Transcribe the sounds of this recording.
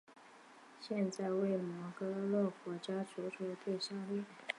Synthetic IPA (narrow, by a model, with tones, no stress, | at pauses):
ɕjɛ˥˧nt͡sa˥˧ɪwe˥˩ɪmwɔ˧˥kɤ˧˥lɔ˥˩kwɔ˧˥t͡ɕja˥ʈ͡ʂʰu˧˥ʈ͡ʂʰu˧˥t̪we˥˩ɪsa˥˧ljɛ˥˩